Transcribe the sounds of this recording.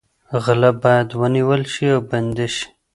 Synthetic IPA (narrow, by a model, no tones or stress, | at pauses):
ɣalabɑjad̪wəniwəlʃiawband̪eʃi̥